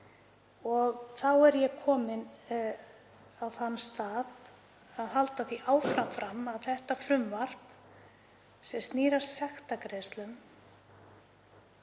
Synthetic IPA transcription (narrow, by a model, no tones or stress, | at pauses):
ɔɣθawɛɾjɛkʰɔːmɪn | awθanːst̪aːð | aðhalt̪aθiʔaːwfɾamfɾamaðθɛht̪afɾʏmvaɾ̥p | sɛmst̪niːɾaɾ̥sɛxt̪akɾeːst̪lʏm